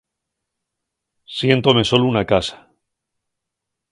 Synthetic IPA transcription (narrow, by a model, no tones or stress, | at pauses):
sje̞nt̪o̞me̞so̞lounakasḁ